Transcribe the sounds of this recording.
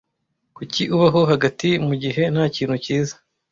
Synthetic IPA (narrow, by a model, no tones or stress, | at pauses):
kuciʔuβaɦo̞ɦaɡatimuɟiɦe̞n̥haːciːn̥huciːzḁ